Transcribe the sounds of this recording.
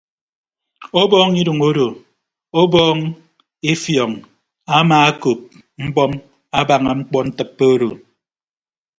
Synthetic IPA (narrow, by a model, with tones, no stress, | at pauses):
o˦bɔː˦ŋi˦ɾu˨ŋo˦ɾo˨ | o˦bɔː˦ŋ | e˦fjɔ˨ŋ | a˦maː˨a˦ko˨p̚ | ŋ͡m̩˦bɔ˦m | a˦ba˨ŋa˨ŋ͡m̩˦k͡pɔ˦n̩˦tɨ˦pːe˦o˦ɾo˨